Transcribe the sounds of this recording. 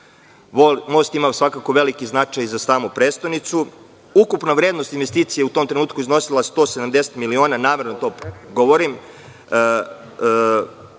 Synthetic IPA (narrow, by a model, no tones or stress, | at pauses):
mo̞ːst̪imasʋakako̞ʋe̞likiznat͡ʂajzasaːmupɾeːst̪ojnit̪su | ukupnaʋɾed̪no̞st̪inʋest̪iːt̪sijeut̪omt̪ɾe̞nuːt̪kuizno̞silˠast̪o̞ːsed̪amd̪eset̪milio̞ːnanaːme̞ɾnot̪o̞ːɡoʋoɾim